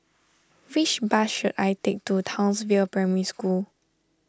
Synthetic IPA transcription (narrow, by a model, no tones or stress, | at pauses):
wit͡ʃbasʃudajtek̚tutʰãʊ̃nsvilpɹɛməɹiskul